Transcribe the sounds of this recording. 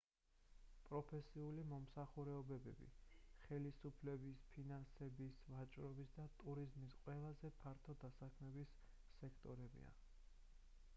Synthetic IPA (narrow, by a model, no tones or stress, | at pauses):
pʼɾɔpʰɛsiulimɔmsaχuɾɛɔbɛbɛbḭχɛlisupʰlɛbispʰinansɛbisvat͡ʃʼɾɔbisd̪at̪ʼuɾizmisqʼwɛlˠazɛpʰaɾt̪ʰɔd̪asakʰmɛbisː | ɛkʰt̪ʼɔɾɛbḭa̰